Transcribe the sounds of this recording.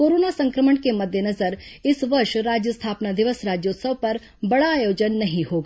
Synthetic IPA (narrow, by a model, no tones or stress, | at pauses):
koːɾoːnasɐ̃ŋkɾəməɳkemɐd̪ʱjənɐzəɾɪsʋɐɾʃɾaːd͡ʒjəst̪ʰaːpnad̪ɪʋəsɾaːd͡ʒjoːt̪səʋpɐɾ | bɐɽaːjoːd͡ʒənːɐɦĩhoɡa